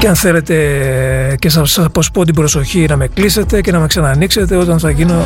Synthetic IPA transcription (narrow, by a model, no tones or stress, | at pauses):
ceɐnθe̞le̞t̪e̞ | cesɐɐpo̞spot̪̬ibɾo̞so̞çinɐme̞klise̞t̪e̞ce̞nɐme̞ksɐnɐnikse̞t̪e̞o̞t̪ɐnθɐʝino